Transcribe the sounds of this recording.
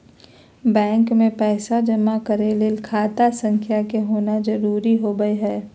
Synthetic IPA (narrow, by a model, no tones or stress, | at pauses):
bɛ̃ːŋkmẽpɛːsad͡ʒɐmakɐɾelelkʰaːt̪asə̃ŋkʰjakeɦoːnad͡ʒɐɾuːɾiɦoːɡəeɦɛː